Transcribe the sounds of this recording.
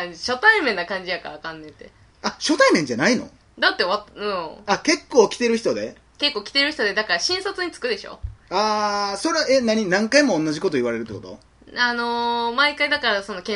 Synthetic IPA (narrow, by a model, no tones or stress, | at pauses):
ɕo̞t̪aimẽnːakãɲ̟d͡ʑijaka̰ːkãnːẽ̞t̪e̞̰ | aɕo̞t̪aimẽ̞ɲd͡ʑanaino̞̰ | d̪at̪ːe̞oβat̪ɯ̟̃ake̞kːoːkʲi̥t̪e̞ɾɯ̟çi̥t̪o̞d̪e̞ | ke̞kːo̞ːkʲi̥t̪e̞ɾɯ̟çʲit̪od̪e̞d̪akaɾaɕĩɰ̃sot͡sɨɲ̟it͡sɨ̥kɯ̟d̪e̞ɕo̰aːso̞ɾeaenaɲ̟inãŋkaimõːnːaʑiko̞t̪o̞iβaɾe̞ɾɯ̟t̪ːekot̪o̰ | ano̞maikaid̪akaɾaso̞no̞kẽ